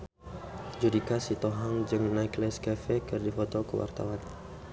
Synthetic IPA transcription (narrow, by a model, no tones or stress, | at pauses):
d͡ʒudikasit̪oɦaŋd͡ʒɨŋnaklɛskafɛkɨrdifɔt̪ɔkə̰wa̰rt̪a̰wan